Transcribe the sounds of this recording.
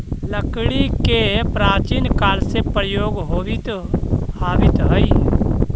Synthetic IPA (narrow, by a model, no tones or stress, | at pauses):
ləkɽikepɾaːt͡ʃiːnkaːɾsepɾəjoːɡɦoːʋɪt̪ | aːʋɪt̪ɦəi